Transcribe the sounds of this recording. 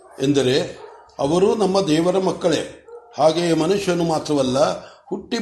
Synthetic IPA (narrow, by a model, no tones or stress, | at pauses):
end̪ɐɾe̞ | ɐ̰ʋɐɾunɐmːɐd̪ɛːʋɐɾɐmɐkːɐɭe̞̰haːɡeːmɐnuʂjɐnːumaːt̪ɾɐʋɐlːɐhuʈːi